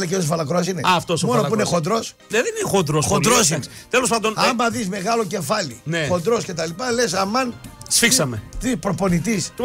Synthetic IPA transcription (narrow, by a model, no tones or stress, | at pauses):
leceos̬vɐlɐkɾoɐs̬ineaft̪osmo̞nopuiinexo̞nd̪ɾo̞s | neðeninxond̪ɾosxond̪ɾosin | t̪elospɐnd̪onɐmbɐðizme̞ɣɐlo̞ce̞fɐlḭnexo̞nd̪ɾo̞sce̞t̪ɐlipɐle̞sɐmɐnsfiksɐmet̪ipɾopo̞nit̪is